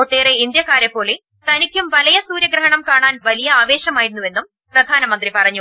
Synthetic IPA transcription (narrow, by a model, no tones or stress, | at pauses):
oʈːeːreind̪jɐkːaːɾepːo̞ːle | t̪ɐnikʲːumʋɐlɐjɐsuːɾjɐɡɾɐɦɐɳɐmkaːɳaːnʋɐlijɐaːʋeːɕɐmaːjiɾunːuʋe̞nːum | prɐd̪ʱaːnɐmɐnd̪ripɐrɐɲːu